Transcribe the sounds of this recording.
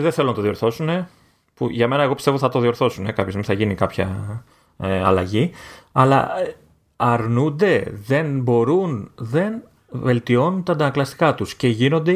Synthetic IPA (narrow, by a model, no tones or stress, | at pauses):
ðeθe̞lonɐt̪o̞ðio̞ɾθo̞sune̞ | puʝɐme̞nɐe̞ɣo̞pist̪eoθɐt̪o̞ðio̞ɾθo̞sune̞kɐpçozmiθɐʝinikɐpçɐ | ɐ̰lɐʝiɐlɐ̰ | ɐɾnund̪e̞ðe̞nbo̞ɾunðe̞n | ve̞lt̪io̞nunt̪ɐnd̪ɐnɐklɐst̪i̥kɐt̪usce̞ʝino̞nd̪e̞